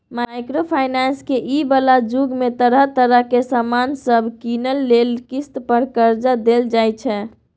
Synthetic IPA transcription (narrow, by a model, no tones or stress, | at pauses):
majkɾopʰajnanskeʔibəlad͡ʒuɡmet̪əɾəɦt̪əɾəɦkesəmansəbʱkinəlːelkist̪pəɾkəɾd͡ʒad̪eld͡ʒajt͡ʃʰɛ